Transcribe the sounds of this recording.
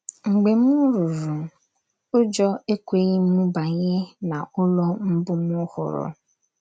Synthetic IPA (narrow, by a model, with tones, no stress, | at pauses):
ŋ͡m̩˨ɡ͡be˨m̩˦u˦ɾu˨ɾu˨ | o˦d͡ʒɔ˦e˦kʷe˦ɣi˦mu˦ba˨ɲe˦na˨ʊ˦lɔ˦m̩˦bʊ˦mʊ˦hʊ̰˨ɾʊ̰˨